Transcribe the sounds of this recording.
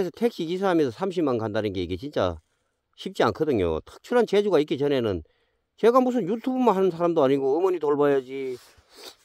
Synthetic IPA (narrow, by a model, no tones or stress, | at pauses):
esʰʌtʰe̞k̚ɕ͈iɡis̬ʰaɾamesʰʌsʰamɕ̬ʰimankandanɯnɡe̞iɡet͡ɕint͡ɕ͈a̰ | ɕʰip̚t͡ɕ͈ia̰nkʰɯdɯŋjo̰tʰɯ̥k̚t͡ɕʰɯɾant͡ɕed͡ʑuɡaik͈it͡ɕʌne̞nɯn | t͡ɕe̞ɡamus̬ʰɯnjutʰubumanɦanɯnsʰaɾamdoaɲiɡoɯmoɲitoɭbajad͡ʑi